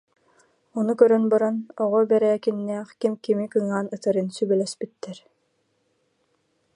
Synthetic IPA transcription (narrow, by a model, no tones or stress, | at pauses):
ɔnukœɾœnbɔɾɔnɔʁɔbɛɾɛːkinːɛːχkimkimikɯŋaːnɯt̪ɯɾɯnsybɛlɛspit̪ːɛɾ